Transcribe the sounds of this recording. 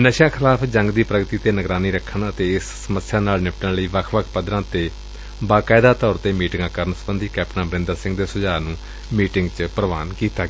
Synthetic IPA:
nəʃjãːkʰɪlaːpʰd͡ʒəŋɡd̪iːpɾəɡt̪iːt̪eːnəɡɾaːniːɾəkʰːənət̪eːɪsːəməsjaːnaːlnɪʋɪʈənləiːʋəkʰʋəkʰpəd̪ɾãːt̪eː | baːkaːɪd̪aːt̪ɔːɾt̪eːmiːʈɪŋɡãːkəɾənsəbənd̪ʱiːkɛːp̚ʈnãːbəɾɪ̃nd̪əɾsɪ̃ŋɡd̪eːsʊd͡ʒaːnũː | miːʈɪŋɡt͡ʃpəɾəʋaːnkiːt̪aːɡ

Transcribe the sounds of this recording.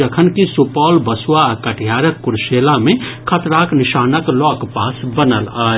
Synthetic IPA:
əkʰənkisupɔːlbəsuwaːkəʈʰijaɾəkːuɾʃelamekʰət̪ɾakniʃaːnəklɔkpasbənəla

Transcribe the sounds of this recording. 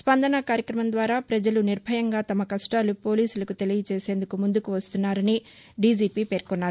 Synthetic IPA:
spɐnd̪ɐnɐkaːɾjɐkɾɐmɐnd̪ʋaːɾaːpɾɐd͡ʒɐluniɾbʱɐjɐŋɡaːt̪ɐmɐkɐʂʈaːlupo̞ːliːsulɐkut̪e̞lijɐt͡ʃe̞ːse̞ːnd̪ukumund̪ukuʋɐst̪unːaːɾɐni | ɖiːd͡ʒiːpiːpe̞ːɾkɔnːaːɾu

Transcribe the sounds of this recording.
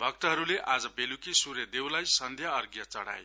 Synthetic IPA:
bʱʌk̚t̪ʌɦʌɾuleʔad͡zʌbelukisurjʌd̪ewlajsʌnd̪ʱjʌːrɡjʌt͡sʌɽa̰j

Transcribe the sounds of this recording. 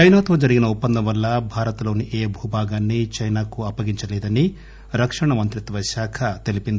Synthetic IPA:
t͡ʃɐjnaːt̪ʋɐːd͡ʒɐɾiɡinɐupːɐnd̪ɐmʋɐlːɐbʱaːɾɐt̪lo̞ːniʔeːbʱuːbʱaːɡaːnːit͡ʃɐjnaːkuɐpːɐɡiɲt͡ʃɐlɛːd̪ɐni | ɾɐkʂɐɳɐmɐnt̪ɾit̪ʋɐʃaːkʰɐt̪e̞lipind̪

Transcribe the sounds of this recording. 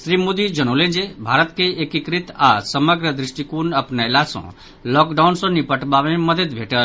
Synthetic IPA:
sɾimod̪id͡ʒəñolẽd͡ʒebʱaɾət̪keekikɾit̪asəməɡɾəd̪ɾiʂʈikunəpnalasɔ̰̃ | lɔkɖawnsɔ̃nipəʈbamẽməd̪ʱət̪̚bʱeʈə

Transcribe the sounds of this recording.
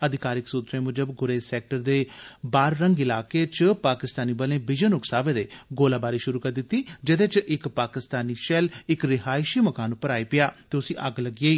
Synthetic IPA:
əd̪ɪkaːɾɪksuːt̪ɾẽːmʊd͡ʒəbɡʊɾeːsɛːk̚ʈəɾd̪eːbaːɾːəŋɡɪlaːkeːt͡ʃpaːkɪst̪aːniːbəlẽːbɪd͡ʒənʊksaːʋeːd̪eːɡoːlaːbaːɾiːʃʊɾuːkəɾd̪ɪt̪ːiːd͡ʒɪd̪eːt͡ʃʔɪkpaːkɪst̪aːniːʃɛlɪkɾɪɦaːɪʃiːməkaːnʊpəɾaːiːpɪjaːt̪eːʊsĩːʔəɡləɡeːiː

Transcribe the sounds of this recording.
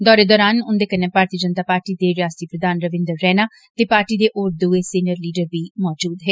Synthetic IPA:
d̪ɔːɾeːd̪ɔːɾaːnʊnd̪eːkənːẽːpaːɾt̪iːd͡ʒənt̪aːpaːɾʈiːd̪eːɾɪjaːst̪iːpɾəd̪aːnɾəʋɪ̃nd̪əɾːɛːnaː | t̪eːpaːɾʈiːd̪eːʔoːɾd̪uːeːsiːnəɾliːɖəɾʋiːmɔːd͡ʒuːd̪ɦeː

